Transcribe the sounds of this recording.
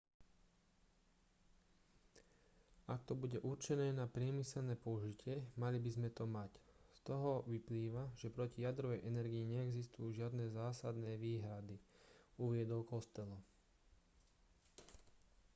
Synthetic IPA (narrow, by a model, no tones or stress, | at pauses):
akt̪ɔbuɟɛʔuɾt͡ʃɛnɛːnapɾɪɛmisɛlnɛːpɔuʒicɪɛmalibizmɛt̪ɔmacst̪ɔɦɔʋipliːʋaʒɛpɾɔcijad̪ɾɔʋɛjʔɛnɛɾɡiiɲɛɛɡzist̪ujuːʒɪad̪nɛːzaːsad̪nɛːʋiːɦɾad̪iuʋɪɛd̪ɔʊkɔst̪ɛlɔ